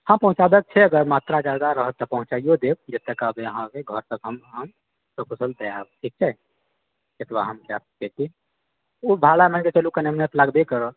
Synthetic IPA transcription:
hãpəɦũt͡ʃabɛk̚t͡ʃʰɛəɡəɾmat̪ɾad͡ʒaɡ̪aɾəɦət̪ːɔpəɦũt͡ʃaijod̪eb̚d͡ʒət̪ːekabeəɦãkeɡʱəɾt̪əkɦəmɦəm | səkusʰəld̪əabʈʰik̚t͡ʃʰɛ | jet̪baɦəmd͡ʒa̰sket̪i | ubʱalamənket͡ʃəlukəneəmnet̪laɡb̪ekəɾə

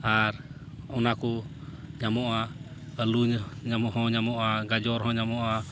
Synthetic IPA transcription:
aɾ | ɔnakɔɲamɔʔaəluɲɲamɔhɔ̃ɲamɔʔaɡad͡ʒɔɾɦɔ̃ɲamɔʔa

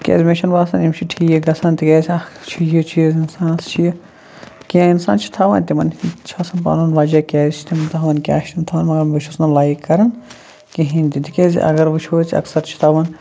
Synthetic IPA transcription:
kʲḛːzʲmeʃɐnbaːsɐnimt͡ʃʰiʈʰiːjeɡɐsɐːnt̪ikeːst͡ʃʰijit͡ʃʰiezinsaːnɐst͡ʃʰij | kiãinsa̰ːnt͡ʃʰi̥t̪ʰɐʋɐːnt̪imɐnt͡ʃʰɐːsɐnpa̰ːnɐnʋɐd͡ʒɐkʲeːzit͡ʃʰi̥t̪imɐnt̪ɐɦɐʋɐnkʲa̰ːʃɐnt̪ʰɐʋɐːnmɐɡɐɾmut͡ʃʰusnɐlaːikːɐɾɐn | kiɦĩnʲt̪id̪ikeːzḭʔɐ̰ɡɐɾʋɨt͡ʃʰoːt͡sʰɐ̰ksɐɾt͡ʃʰi̥t̪ʰɐʋɐn

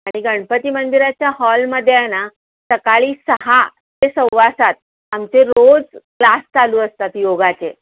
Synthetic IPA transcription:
aɽ̃iɡəɳpət̪iːmənd̪iɾat͡ɕjahɔlməd̪ʱjana | səkaɭiːsəɦa | tesə̃wʋasat̪̚ | amt͡seɾod͡zklast͡saluːəst̪at̪joɡat͡se

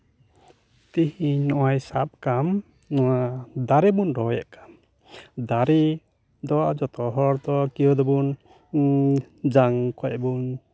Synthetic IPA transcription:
t̪ihiɲnɔʔajsap̚kam | nɔwad̪aɾɛbunɖɔjɛ̰ʔkḁm | d̪aɾi | d̪ɔd͡ʒɔt̪ɔɦɔɾt̪ɔkiɔd̪ɔbun | d͡ʒaŋkʰɔjbun

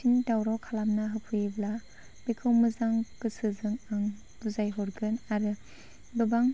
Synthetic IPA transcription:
indawɾawkʰalamnaɦɯpʰɯjebla | bekʰɯwmɯzaŋkɯsɯzɯŋaŋ | buzajɦɔɾɡɯnaɾɯ | bɯbaŋ

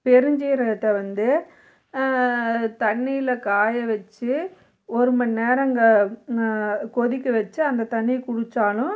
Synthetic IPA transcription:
pɛɾɯɲd͡ʒiɾɐʈ̪ːɐʋɐnd̪ɯ | t̪ɐɳːijɪlɐkaːjɐʋɛt͡ʃːɯ | ɔɾɯmɐnneːɾɐŋɡɐ | kɔðɪkʲːɯʋɛt͡ʃːɯɐnd̪ɐt̪ɐɳːikʊɽɯt͡ʃːaːlʊ̃

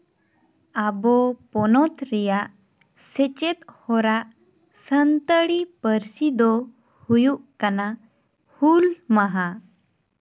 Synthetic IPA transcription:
abɔpɔnɔt̪ɾijaʔ | set͡ɕet̪hɔɾaʔ | sənt̪əɽipəɾsid̪ɔ | hujuʔkana | hulmaɦa

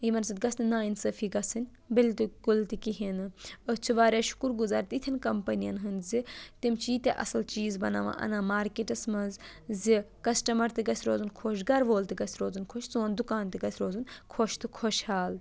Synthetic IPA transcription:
imɐnsɐt̪̚ɡɐsnɐnaːinsɐfʰiɡɐsɨnʲ | bilt̪ikult̪ikiɦinɨɐt͡ʃʰiʋaːɾʲaːʃu̥kuɾɡuzaːɾt̪it̪ʰʲɐnkɐmpɐnijɐnɦɨnzit̪imt͡ʃiːt̪ʲeʔɐ̰sɐlt͡ʃiːzbɐna̰ːʋã̰ːʔɐ̰nãːmaːɾkeʈɐsmɐzzikɐsʈɐmɐɾt̪iɡɐsʲɾoːzunkʰoːʃɡɐɾʋoːlt̪iɡɐsʲɾoːzunkʰoʃzoːnd̪ukaːnt̪iɡɐsʲɾoːzunkʰoʃt̪ɨkʰoʃhaːl

